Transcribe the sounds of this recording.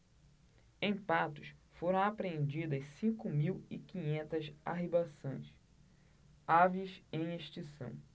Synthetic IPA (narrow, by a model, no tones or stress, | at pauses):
ẽj̃pat̪ʊʃfoɾɐ̃w̃apɾeẽnd͡ʒid̪ɐssĩkʊmiwḭkĩɲẽnt̪ɐsa̰ɦibasõ̰j̃s | avisẽj̃eʃt͡ʃisɐ̰̃w̃